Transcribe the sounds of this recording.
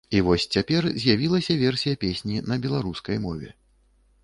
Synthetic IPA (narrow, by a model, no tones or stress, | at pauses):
ivɔsʲt͡sʲapʲɛrzʲjavʲilˠɐsʲɐvʲɛrsʲijɐpʲesʲnʲinɐbʲɛlˠaɾuskɐjmɔvʲɛ̰